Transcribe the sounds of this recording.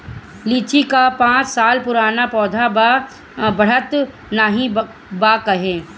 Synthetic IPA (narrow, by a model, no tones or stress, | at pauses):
liːt͡ʃikapãːt͡ʃsaːlpʊɾaːnapɔːd̪ʱa | bɐɽ̤ət̪ | naɦĩ | baːkɐɦẽː